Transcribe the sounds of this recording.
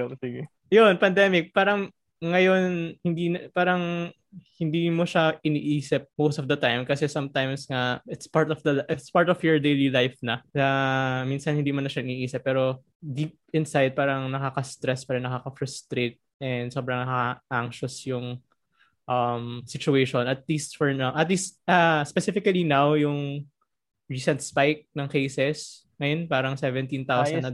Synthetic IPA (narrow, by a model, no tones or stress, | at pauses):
iɡɛ | jonpɐnd̪ɛmɪk̚paːɾɐŋː | ɐjo̞nhɪnd̪iːnɐpaːɾɐŋ | hɪnd̪iːmoʃaʔɪnḭːʔiːsɪp̚mowst̪ɔfd̪ɐt̪ajmkɐsɛsɐmt̪ajmsŋaʔɪt̪spaɹt̪ɔfd̪ɐlʔɪt̪spaɹt̪ɔfjɔɹd̪ejlilajfnɐnɐminsɐnhɪnd̪iːmɐnɐʃaʔɪniːʔiːsɪp̚ːɛːɾo̞ | d̪iːp̚ɪnsajd̪̚paːɾɐŋnɐkakɐst̪ɾɛspɐɾɐnɐkakɐfɹʊst̪ɾet̪̚ʔɛnd̪so̞bɾɐŋnɐkaʔaŋʃɐsjʊŋ | ʔɐmsɪt͡ʃʊejʃɔnɐt̪̚liːst̪fɔɹnawʔɐt̪liːst̪̚ʔaspɛsɪfɪkɐlinawjʊŋ | ɹiːsɛnt̪̚spajk̚nɐŋkejsɛs | ŋɐjonpaːɾɐŋsɛvɛ̃nt̪ĩnt̪awsɐnd̪nɐ